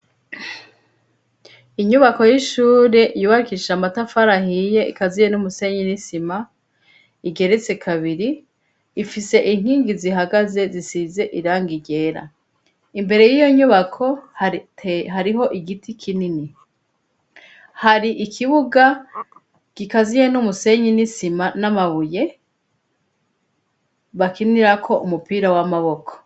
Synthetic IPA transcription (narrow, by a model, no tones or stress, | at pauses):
iɲuβako̞jiʃuːɾe̞ʔjuːβaɾikiʃamatafaɾahije̞ʔḭkazijenumuse̞ɲinisima | iɡe̞ɾet͡se̞kʰaβiɾiː | fise̞ʔin̥hiːŋɡiziɦaɡaze̞zisize̞ʔiɾaːŋɡiɟe̞ɾa̰ | imbe̞ɾe̞jijo̞ɲuβakʰo̞hɦaɾiɦo̞ʔiɡitikʰinini | haɾiʔikʰiβuɡa | kikazijenumuse̞ɲinisimanamaβuje̞ | βakiniɾakʰo̞ʔumupiːɾawamaβo̞kʰo̥